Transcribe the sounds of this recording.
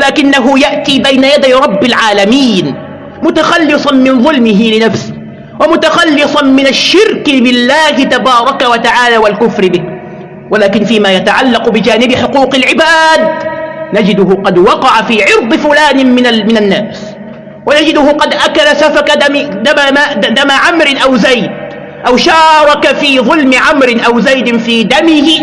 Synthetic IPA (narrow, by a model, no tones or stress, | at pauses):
walaːkɪnːaɦʊjaʔt̪iːbajnajad̪ajɾˤɑbːalʕaːlamiːn | mʊt̪axɑlːɨsˤɑnmɪnðˤʊlmɪɦɪlɪnafsɪh | wamʊt̪axɑlːɨsˤɑnmɪnaʃːɪɾkɪbɪlːaːhɪt̪abɑːɾˤɑkawat̪aʕaːlaːwalkʊfɾɪbɪh | walaːkɪnfiːmaːjat̪aʕalːɑqʊbɪd͡ʒaːnɪbɪħʊquːqɪlʕɪbaːd̪̚nad͡ʒɪd̪ʊɦʊqɑd̪wɑqɑʕafiːʕɪɾd̪ˤɨfʊlaːnɪmɪamɪnanːaːs | wanad͡ʒɪd̪ʊhʊqɑd̪ʔakalasafakad̪aad̪amaʕamɾɪnʔawzajd̪̚ | ʔawʃɑːɾˤɑkafiːðˤʊlmɪʕamɾɪnʔawzajd̪ɪnfiːd̪amɪhɪ